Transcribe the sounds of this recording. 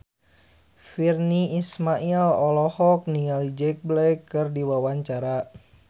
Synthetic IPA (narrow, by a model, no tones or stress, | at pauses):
firniːsmaʔilɔlɔhɔk̚nialid͡ʒɛk̚blɛjkːɨrdiwawaɲt͡ʃaɾa